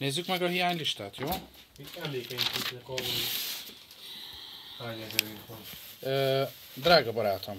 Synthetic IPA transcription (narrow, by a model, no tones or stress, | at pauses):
neːzːykmɛɡɒɦijaːɲliʃt̪aːt̪joː | it̪ɛmleːkɛɲkit̪ukɒboni | haːɲɛzɛɾiŋkʋɒn | øː | d̪raːɡɒbɒɾaːt̪ʰom